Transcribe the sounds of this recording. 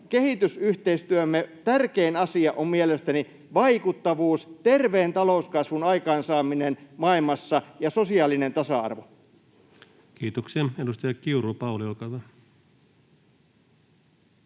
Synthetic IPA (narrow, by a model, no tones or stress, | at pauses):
ke̞ɦit̪ysyht̪eist̪yømːet̪ærkeːnɑsiɑʔommielest̪æni | ʋɑikut̪ːɑʋuːst̪e̞rʋeːnt̪ɑlouskɑsʋunɑikɑːnsɑːminenmɑilmɑsːɑjɑsosiɑːlinent̪ɑsɑɑ̰rʋo | kiːt̪okseːedust̪ɑjɑkiurupɑuliolkɑt̪ɑ